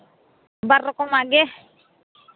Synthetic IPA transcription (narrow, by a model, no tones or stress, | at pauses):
barːɔkɔmaɡɛh